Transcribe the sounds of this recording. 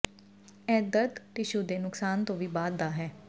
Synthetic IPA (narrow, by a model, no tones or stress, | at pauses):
ɛːd̪əd̪t̪eʃʊd̪eːnʊksaːnt̪õːʋiːbaːd̪ːaːɦɛː